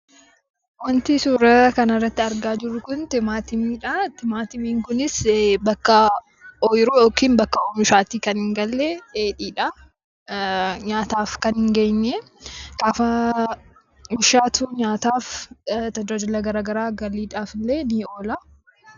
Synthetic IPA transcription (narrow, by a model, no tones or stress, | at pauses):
wɐnt̪ɪsuːɾɐkɐnɐrːɐt̪ːɪɐɾɡaːd͡ʒɪɾːʊkʊnt̪ɪmaːt̪ɪmiːᶑɐt̪ɪmaːt̪ɪmiːŋkʊnɪsbɐkːɐ | ɔjɪɾuːjoːkiːnbɐkːɐoːmʊʃaːt̪iːkɐnhɪŋɡɐlːeeːᶑiːᶑɐ | ɲaːt̪aːfkɐnhɪŋɡejnːɛ | ɡ̥aːfɐ | mʊʃaːt̪ʰuːɲaːt̪aːft̪ɐd͡ʒad͡ʒɪlɐɡɐɾaːɡɐɾaːɡɐliːᶑaːfɪlːeːniːo̞ːlɐ